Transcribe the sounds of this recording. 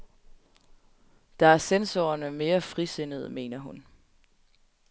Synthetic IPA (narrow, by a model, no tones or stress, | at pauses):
d̥ɑ̈æɐsensoɐnəme̝ːɐfʁise̝nəð̞̩ˠəme̝̰ːnɐɦun